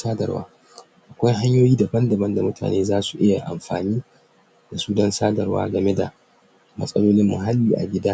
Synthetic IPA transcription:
saː˦dɐ̰˨rwa̰ː˦ | ʔa˨kʷa˦jɦa˦ɲjoː˦jiː˦da˨bɐ˦ndɐ˨bɐ˦nda˨mʊ˦tʰa̰ː˨neː˦zaː˦su̥˨ʔɪ˦ja˨ʔa̰˨mɸa̰ː˨niː˦ | da˨suː˦dɐ˦nsaː˦dɐ˨rwa̰ː˦ɡɐ˨me˦da̰˨ | mɐ̰˦sʼɐ˦loː˦lɪ˦mːʊ̰˨ɦa˦lːiː˨ʔa̰˨ɡʲɪ˦daː˦

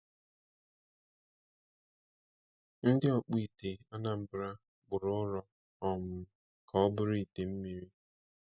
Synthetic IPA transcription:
n̩˦dɪ˦ɔ˨k͡pi˦˨te˨a˦na˨m̩˦bɾa˦ | ɡ͡bʊ˨ɾʊ˦ɾɔ˦ | ɔ˨mʊ˨ | kʰa˨ɔ˦bʊ˦ɾi˦i˨te˨m̩˦mi˨ɾi˦

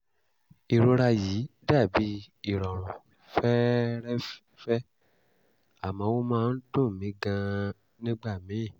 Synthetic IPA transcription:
i˨ɾo˧ɾa˧ji˨˦da˦˨bi˨˦i˦˨ɾɔ˨ɾ̃ũ˨ | fɛ˦ɾɛ˦ | fɛ˦ | a˦˨mã˨˦wo˦mãː˦˧n̩˦tũ˦˨mĩ˨˦ɡã˧ | nĩ˦ɡ͡ba˦˨mĩ˨˦˨

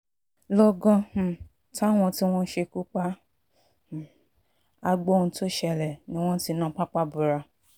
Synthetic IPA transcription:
lɔ˧ɡɔ̃˧˨ | ta˦˨w̃ɔ̃˧ti˦w̃ɔ̃˦n̩˦ʃe˧ku˦k͡pa˦˨ | a˧ɡ͡bo˦˧ñ̩˧to˦ʃɛ˧lɛ˨nĩ˧˦w̃ɔ̃˦n̩˦ti˧˦nã˦k͡pa˦k͡pa˦bu˨ɾa˧

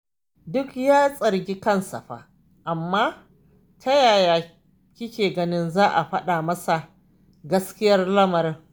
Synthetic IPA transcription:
dʊ˦kjaː˦sʼɐ˨ɾɡʲiː˦kɐ˦nsɐ̰˨ɸa̰ː˨ | ʔa˨mːaː˦ | tʰɐ˦jaː˨jaː˨ | kʲɪ˦kʲeː˨ɡɐ˦nɪ˦nzaː˦ʔa˨ɸɐ˦ɗa˨mɐ˦sa˨ | ɡɐ˦skʲɪ˦jɐ˦rlɐ˦mɐ˨ɾɪ˦ŋ

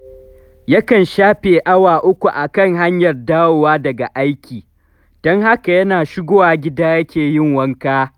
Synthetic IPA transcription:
jɐ˦kɐ˨nʃaː˦ɸeː˨ʔa˦waː˨ʔʊ˦kʷu˨ʔa˨kɐ˦˨ŋɦa˦ɲjɐ˨rdaː˦woː˨waː˦dɐ˨ɡa˨ʔa˦jkʲiː˨ | d̥ɔ˦ŋha˦ka˨jɐ˦naː˨ʃɪ˦ɡʷoː˦waː˨ɡʲɪ˦daː˦jɐ˦kʲeː˨jɪ˦ŋwɐ˦ŋkaː˦

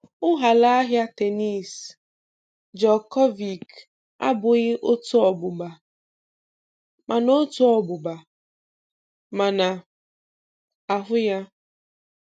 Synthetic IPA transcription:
ʊ˦ɦa˨la˦a˦ɦja˦te˨ni˦˨s | d͡ʒɔ˨kɔ˦vi˨k | a̰˦bʊ˨ɣɪ˦ʔo˦tʊ˦ɔ˨bʊ˨ba˨ | mʔa˨no˦tʊ˦ɔ˨bʊ˨ba˨ | ma˨na˨ | a˨ɦʊ˦ja˦

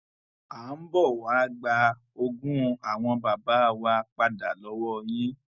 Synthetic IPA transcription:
a˨˦m̩˦bɔ˦˨wa˨˦ɡ͡ba˧ | o˧ɡũ˦a˨w̃ɔ̃˧ba˨ba˨˦˨wa˧k͡pa˧da˨lɔ˨˦wɔ˦j̃ĩ˦

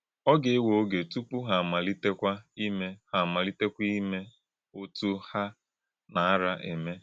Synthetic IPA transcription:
ɔ˦ɡe˨e˦wo˨o˦ɡe˨tu˦pu˦ɦa˨a˨ma˨li˦te˦kʷa˦i˦me˦ha˨ma˨li˦te˦kʷi˦me˦ | o˦tu˦ha˦ | na˨a˦ɾa˦ʔe˨me˦

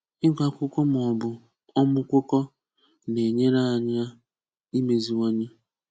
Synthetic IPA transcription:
ɪ˦ɡa˨kʷʊ˦kɔ˦m˨ɔ˨bʊ˨ | ɔ˦mʊ˦kʷʊ˦kɔ˦ | ne˨ɲe˦ɾa˦a˨ɲa˦ | i˦me˨zi˨wɔ˦ɲɪ˦

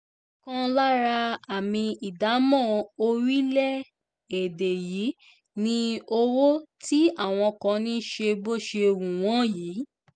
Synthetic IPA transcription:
kã˦la˦ɾa˧a˨mĩ˧i˨da˨˦mɔ̃˦˨o˧ɾi˦lɛ˦ | e˨de˨jiː˨˦ | nĩ˧o˧wo˦ti˦a˦˨w̃ɔ̃˧kã˧nĩ˦ʃe˧bo˦˨ʃe˧wũ˨w̃ɔ̃˦jiː˨˦

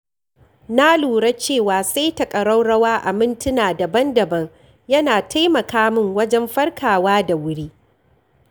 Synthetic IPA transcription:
na˦luː˨ɽa˦t͡ʃeː˦˨waː˨sa˦jtɐ˨kʼɐ˨ɽa˦wɽɐ˦waː˦ʔa̰˨mɪ˦ntɪ˦naː˨dɐ˨bɐ˦ndɐ˨bɐ˦ŋ | jɐ˦naː˨tʰa˦jmɐ˨kaː˦mɪ˦˨ŋwɐ˦d͡ʒɛ˦mɸɐ˦rkʰaː˨waː˦da˨wʊ˦ɽiː˦

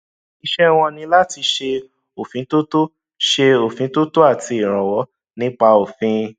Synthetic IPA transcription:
i˧ʃɛ˦w̃ɔ̃˧nĩ˧la˦ti˧ʃe˧ | o˨fĩ˨˦to˦to˦ | ʃe˧o˨fĩ˨˦to˦to˦a˦˨ti˧i˨ɾ̃ã˨wɔ˨˦ | nĩ˦k͡pa˧o˨fĩ˧˦

